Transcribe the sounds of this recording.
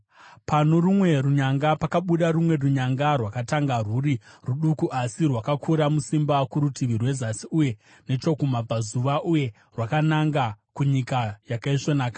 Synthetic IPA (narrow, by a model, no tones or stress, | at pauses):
pano̞rumwe̞ruɲaŋɡapakaɓuɗarumwe̞ruɲaŋɡarwakataŋɡaruɾiruɗukuʔasirwakakʰuɾamusimbakuɾutiʋirwe̞zasiuje̞ | ne̞t͡ʃo̞kumab͡vazuʋaʔuje̞ | rwakanaŋɡakuɲikajakaiʂonaːka